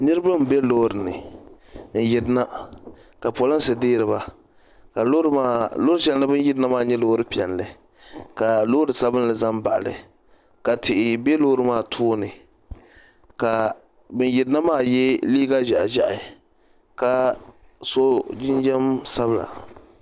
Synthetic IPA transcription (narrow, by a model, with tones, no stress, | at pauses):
nɨ˦ɾɨ˦ba˦m˨bɛ˦loː˦ɾɨ˨nɨ̰˨ | n̩˨jɛ˨dna˦ | ka˨po˨lɨ˦nsɨ˨deː˦ɾɨ˨ba˨ | ka˨lo˦ɾa˦˨loː˦ɾɨ˦t͡ʃɛ˨˦n˦lɨ˦bɨ˦n˦jɪ˦dɨ˦na˦maː˦˨ɲɛ˦loː˦ɾɨ˦pi˨ɛ˨nlɨ˨ | ka˨loː˦ɾɨ˨sa˦bɨ˦n˦lɨ˨za˦mba˨ʔa˨lɨ̰˨ | ka˨tɪ˨ʔɪ˨be˦lo˦ɾɨ˨˦maː˦˨tʰoː˦nɨ˨ | ka˨ | bɨ˦njɪ˨dɨ˦na˦maː˦˨jɛ˦liː˦ɡa˦ʒa˨ʔa̰˨ʒa˨ʔa˨ | ka˨ | so˦d͡ʒɪ˦nd͡ʒɛ˦msa˦bɨ˨la̰˨